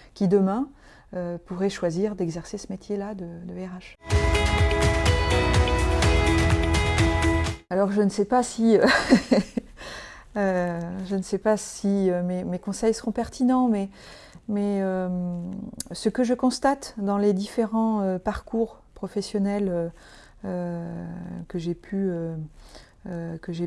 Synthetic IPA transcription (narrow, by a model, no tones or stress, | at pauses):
kʲid̪əmɛ̃ | øpuʁɛʃwaziʁd̪ɛɡzɛʁsesəmet̪ʰjelad̪əd̪əɛʁaʃ | alɔʁʒənəsɛpasiø | øʒənəsɛpasiømemekɔ̃sɛjsəʁɔ̃pɛʁt̪ʰinɑ̃mɛ | mɛøm | səkəʒəkɔ̃st̪at̪d̪ɑ̃led̪ifeʁɑ̃øpaʁkuʁpχɔfɛsjɔnɛlø | ø | kəʒepʰyø | økəʒe